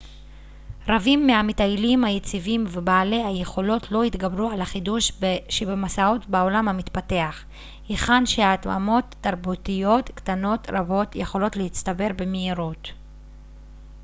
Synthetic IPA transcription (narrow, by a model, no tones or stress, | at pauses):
ɾavimːeametajlimhajet͡sivimvebaːle̞haje̞χo̞lo̞tʰlo̞itɡabɾualaχiduʃʃebemasao̞tbao̞lamhamit̪pate̞aχ | iχanʃeaːtma̰mo̞tːaɾbutijo̞tktano̞tɾabo̞tjeχo̞lo̞tlehit͡st̪abe̞ʁbe̞meiɾut